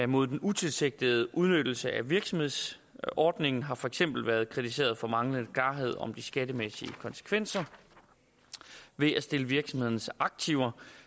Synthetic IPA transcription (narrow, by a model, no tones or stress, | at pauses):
mo̝ð̞̰ˠd̥enut͡sʰe̝lseɡ̥̚d̥əð̩ˠʔuð̞ˠnød̥l̩səʔæʋiɐɡ̥sɒ̽mhe̝ð̞̰ˠs | ɒːd̥ne̝ŋn̩ɦɑ̈fɒ̽eɡ̥sem̰b̥l̩ʋæːɐð̞ˠkʰʁit͡sʰis̬e̝̰ːɐð̞ˠfɒ̽mɑ̈ŋlən̩kʰlɑ̈ːɦe̝ð̞̰ˠɒ̽md̥isɡ̥æɾəmesiəkʰɒ̽nsə̥kʰʋen̰sɐ | ʋe̝æsd̥e̝ləʋiɐɡ̥sɒ̽mhe̝ðˠnsɑ̈ɡ̥̚t͡sʰiʊ̰ɐ